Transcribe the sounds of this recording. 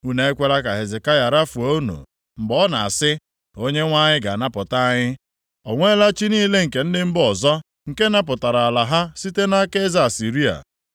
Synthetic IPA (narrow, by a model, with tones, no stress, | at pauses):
u˦na˨e˦kʷe˦ɾa˦ka˨ɦe˨zɪ˨ka˦ja˨ɾa˦fu˨o˦nṵ˨ | m̩˨bɔ˦na̰˨a˨sɪ˦ | o˦ɲe˦ŋʷa˦ɲɪ˦ɡa̰˨na˦pʊ˨ta˦ɲɪ˦ | ɔ˨ŋʷe˦la˦t͡ʃi˦niː˦le˦ŋ̩˨ke˨n̩˦dɪ˦m̩˦bɔ˨zɔ˦ | ŋ̩˨ke˦na˦p̬ʊ˨ta˨ɾa˨a˨la˨ɦa˦si˦te˦na˦ke˦za˦˨si˨ɾi˦a̰˨